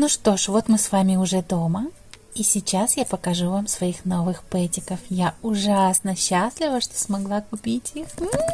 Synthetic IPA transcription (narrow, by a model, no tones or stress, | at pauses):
nuʂt̪o̞ʂvo̞t̪mɨsvamʲɪʊʐɛd̪o̞mə | isʲɪt͡ɕːasjapəkɐʐuvamsvɐixno̞vɨxpɛtʲɪkəfjaʊʐasnəɕːaslʲɪvəʂt̪o̥smɐɡlˠakʊpʲitʲixm̩